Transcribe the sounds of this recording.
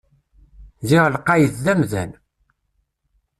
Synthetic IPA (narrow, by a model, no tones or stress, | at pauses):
ziʁlqːɑjət͡sðæmðæ̰n